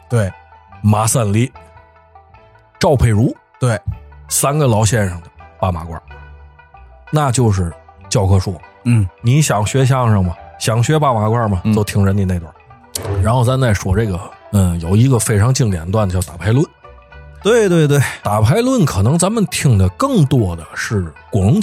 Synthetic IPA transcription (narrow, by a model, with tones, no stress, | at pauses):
t̪we˥˩ɪma˧˥sa˥˧nli˥˩ | ʈ͡ʂɑ˥˧ʊpʰe˥˩ɪɻu˧˥ | t̪we˥˩ɪsa˥nɡə˨lɑ˧˥ʊɕjɛ˥˧nʂə˨˩ŋd̪ə˩pa˥˩ma˧˥kwa̰˥˩ | na˥˧t͡ɕjo˥˧ʊʂ̬ɻ̩˥˩t͡ɕjɑ˥˧ʊkʰɤ˥ʂu˥˩ni˧˥ɕjɑ˨˩ŋɕɥɛ˧˥ɕ̬jɑ˥˧ŋʂə˨˩ŋmɐ˩ɕjɑ˨˩ŋɕɥɛ˧˥pa˥˩ma˧˥kwa˥˩mɐ˩t͡so˥˧ʊt̪ʰi˧˥ŋʈ͡ʂə˧ni˨˩ne˥˩t̪wa˥˩ | ɻa˧˥nxo˥˩ʊt͡sa˧˥m˧t͡sa˥˩ɪʂwɔ˨˩ʈ͡ʂe˥˩ɡə˩ə˥˩jo˨˩ʊi˧˥ɡə˧fe˥ɪʈ͡ʂʰɑ˧˥ŋt͡ɕi˥˩ŋljɛ̰˧˥nt̪wa˥˩nd̪ə˩jt̪a˨˩pʰa˧˥ɪlwə˥˩n | t̪we˥˧ɪt̪we˥˧ɪt̪we˥˩ɪt̪a˨˩pʰa˧˥ɪlwə˥˩nkʰɤ˨˩nɤ˧˥ŋt͡sa˧˥mə˨nt̪ʰi˧˩ŋd̪ə˨kɤ˥˩ŋt̪wɔ˥˧d̪ə˨ʂɻ̩˥˩kwɑ˧˥ŋ